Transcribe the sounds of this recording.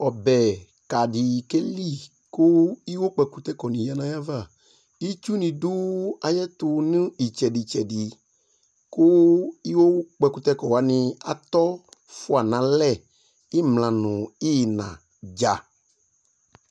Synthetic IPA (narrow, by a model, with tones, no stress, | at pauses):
ɔ˨bɛ˨ | ka˨di˨ke˦li˦˨ | ko˦i˦wo˦k͡pɛ˨ku˦t̪ɛ˦kɔ˨nĩ˨ja˨nã˦ja˦va˦˨ | i˦t͡ʃu˦nĩ˨du˦a˨jɛ˦t̪ʊ˧nũ˦i˨t͡ʃɛ˨di˨t͡ʃɛ˨di˨ | ko˦i˦wo˦k͡pɛ˨ku˦t̪ɛ˦kɔ˨wa˨nĩ˧a˨t̪ɔ˦fʊ˦a˨nã˨˦lɛ˦˨ | i˦mlã˨nʊ̃˨i˦˨nã̰˨ | d͡ʒa˨